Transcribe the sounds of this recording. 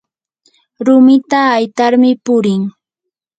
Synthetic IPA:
ɾʊmɪt̪aːjt̪aɾmɪpʊɾɪŋ

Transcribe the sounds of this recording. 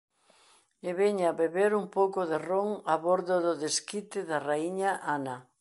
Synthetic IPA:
eβeɲaβeβeɾumpowkʊðɪroŋaβoɾðʊðʊðeskit̪ɪðaraiɲaʔanɐ

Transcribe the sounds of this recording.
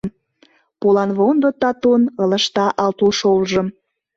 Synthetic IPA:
m | polɑnβond̪ot̪ɑt̪unələ̆ʃt̪ɑʔɑlt̪uʃolʒə̆m

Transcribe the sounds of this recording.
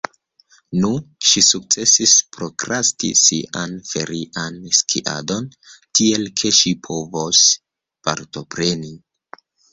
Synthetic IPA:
nuʃisuk̚t͡se̞sispɾo̞kɾastḭsiʔanfe̞ɾiʔanskʰḭʔa̰do̞n | tie̞lkʰe̞ʃipʰo̞vos | pa̰ɾto̞pɾe̞ni

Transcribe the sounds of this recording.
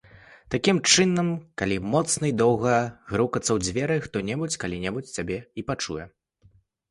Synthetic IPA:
t̪akʲimt͡ʂɨnːɐmkalʲimɔt̪snɐid̪ɔwɣɐɣɾukɐt̪sːɐwd͡zʲvʲɛɾɨxt̪ɔnʲɛbut͡sʲkalʲinʲɛbut͡sʲt͡sʲabʲɛipat͡ʂṵjɛ

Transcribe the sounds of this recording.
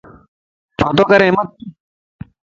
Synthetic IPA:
t͡ʃʰoːt̪oːkɐɾẽːmɐt̪̚

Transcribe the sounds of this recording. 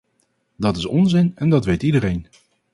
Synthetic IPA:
dɑtɪsɔnzɪnɛndɑtʋejtidərejn

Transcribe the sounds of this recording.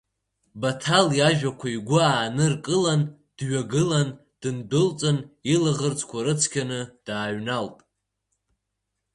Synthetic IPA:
batʰaljaʒᶣakʷʰaiɡʷʊaːnɨrkʼɨlan | d̥ɥaɡɨlan | d̥ɨndɨlt͡sʼɨnilaʁərt͡sʰʼkʷʰaɾɨt͡sʰkʲʰanɨd̥aːɥnalpʼ

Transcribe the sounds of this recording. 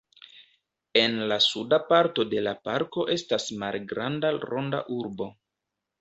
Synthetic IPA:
e̞nlasudapaɾto̞de̞lapaɾko̞ʔe̞stasmalɡɾandaɾo̞nda̰ʔuɾbo̞

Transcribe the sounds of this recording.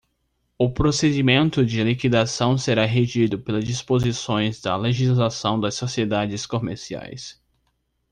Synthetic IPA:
ʊpɾosed͡ʒimẽnt̪ʊd͡ʒɪlikid̪asɐ̃w̃seɾaɦeʒid̪ʊpelɐzd͡ʒispozisõj̃zd̪ɐleʒizlasɐ̃w̃d̪ɐsːosied̪ad͡ʒɪskomḛɾsia̰js

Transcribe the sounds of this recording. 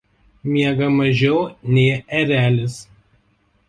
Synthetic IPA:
mʲiɛɡɐmɐʒʲɛʊnʲɛɪɛɾʲæːlʲɪs

